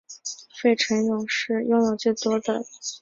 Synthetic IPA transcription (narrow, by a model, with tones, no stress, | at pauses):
fe˥˩ɪʈ͡ʂʰə˧˥njʊ˨˩ŋʂɻ̩˥˧jʊ˥˩ŋjo˨˩ʊt͡ɕi˥˩t̪wɔ˥d̪ə˨˩